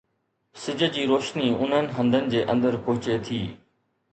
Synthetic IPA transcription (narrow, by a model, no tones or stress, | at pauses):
sɪd͡ʑʱə̆d͡ʑiːɾoːʃniʊn̤ənɪ̆ɦə̃nd̪ʱənɪ̆d͡ʑeːʔə̃nd̪əɾpʊɦɪt͡ɕet̪ʰiː